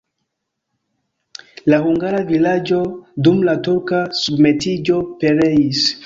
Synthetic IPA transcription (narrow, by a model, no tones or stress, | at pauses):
lahuŋɡaɾavilad͡ʒo̞dumlatuɾkasubme̞tid͡ʒo̞pe̞ɾe̞is